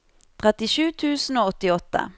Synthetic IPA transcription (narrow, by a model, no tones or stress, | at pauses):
t̪ʰʁɛt̪ɪʃʉːt̪ʰʉːsn̩oːɔt̪ɪɔt̪ːə̰